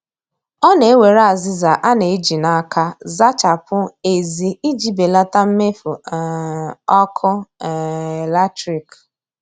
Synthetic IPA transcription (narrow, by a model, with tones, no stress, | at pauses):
ɔ˦ne˨e˦we˨ɾa˨zɪ˦za˨ʔa˦ne˨i˦d͡ʒi˨na˦kʰa˦za˦t͡ʃa˨pʊ˦e˨zi˨i˦d͡ʒi˨be˨la˦ta˦m̩˦me˦fʊ˨ | ɔ˦kʰʊ˦˨ | la˦tɾi˨k